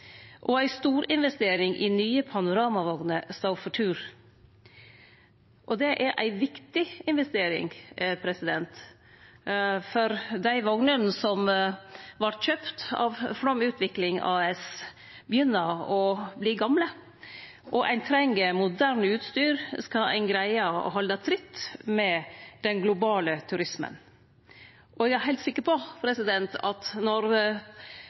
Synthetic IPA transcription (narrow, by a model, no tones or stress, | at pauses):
ʔɔæɪst̪uːɾɪnʋɛst̪eːɾɪŋʔɪ̰nyːəpʰɑnʊɾɑːmɑʋɔŋnəst̪ɑfɔʈʰʉːɾ | ʔɔd̪ɛʔæɾʔæ̰ɪʋɪkt̪ɪɪnʋɛst̪eːɾɪ̰ŋpʰɾɛsɪd̪ɛnt̪ | fɔɾd̪æɪʋɔŋnənn̩sɔm | ʋɑʈɕøːpt̪ɑ̰ʋfɽɔmʉːt̪ʰʋɪklɪŋɑ̰ɛs | bəjʏnːəɔbliːɡɑmlə | ʔɔʔæ̰ɪnt̪ʰɾɛŋːəmʊd̪æːɾɳʉːt̪st̪yːɾskɑæ̰ɪnɡɾæɪəɔ̰ɦɑlːət̪ʰɾɪt̪ːmɛd̪̥ɛnɡlʊbɑːlət̪ʰʉɾɪsmə̰n | ʔɔɛɡæɾɦɛɪt̪sɪkːəɾpʰɔpʰɾɛsɪd̪ɛnt̪ʰɑt̪nɔɾ